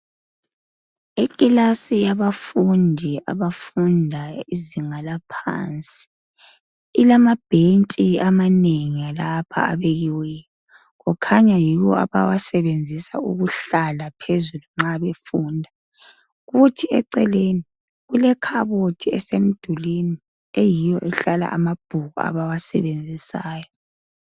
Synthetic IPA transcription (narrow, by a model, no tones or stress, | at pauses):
ikʼilasijaβafundʱia̰βafundʱaiziŋalapʰa̰nt͡sʼi̥ | ilamab̥ʱentʼiamaneŋialapʰa̰a̰βeɣiwɛːjɔ | ɣɔkʰaɲajiɣɔ̰a̰βa̰wasɛβend͡zʱisa̰ṵɣuɬalapʰezuluŋ͡ǁaβefuːndʱa | ɣutʰiɛǀɛleni | ɣulɛkʰaβotʰiɛsem̩d̥ʱulini | ejijɔʔɛɬala̰ʔa̰mab̥ʱuɣua̰βawasɛ̰βend͡zʱisaːjɔ